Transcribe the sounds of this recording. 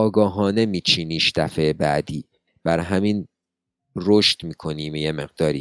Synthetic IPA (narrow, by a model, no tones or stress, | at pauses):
ɒːɡɒːɦɒːne̞miːt͡ʃʰiːniːʃd̪̥æfebæ̰d̪iː | b̥æɾɦæmin | ɾoʃt̪miːkʰo̞niːmjeme̞ɣd̪ɒːɾḭː